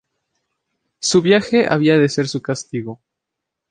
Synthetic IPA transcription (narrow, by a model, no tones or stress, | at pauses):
suβjaxe̞ʔa̰βiaðe̞se̞ɾsukast̪iɣo̞